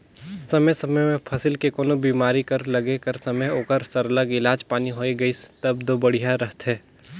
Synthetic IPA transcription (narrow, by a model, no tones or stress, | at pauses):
sɐməjsɐməjmẽpʰɐsɪlkekoːnobiːmaːɾikɐɾlɐɡekɐɾsɐməjoːkəɾsɐɾələɡɪlaːd͡ʒpaːniɦoːeɡɐist̪ɐb̚d̪oːbɐɽ̤ijaɾɐɦt̪ɦɛː